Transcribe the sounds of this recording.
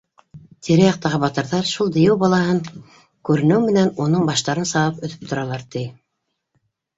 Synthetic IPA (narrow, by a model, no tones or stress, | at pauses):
t̪ʰiɾæjɑq̚t̪ɑʁɤbɑt̪ɤ̆ɾðɑɾʃulˠd̪ɤ̆jɘwbɑlˠɑhɤɴ | kʉɾɘ̆nɘwmɘ̆nænunɤɴbɑʃt̪ɑɾɤnsɑwɤpɵ̆θɵ̥p̚t̪ŏɾɑlˠɑɾt̪ij